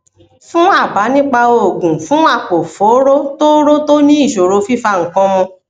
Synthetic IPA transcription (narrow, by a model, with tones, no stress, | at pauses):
fũ˦a˦˨ba˨˦nĩ˦k͡pa˧o˧˨ɡũ˨fũ˨˦a˦˨k͡po˨fo˨˦ɾo˦to˦ɾo˦to˦nĩ˦i˦˨ʃo˨ɾo˧fi˦fa˧ŋ̩˨kɔ̃˧mɔ̃˧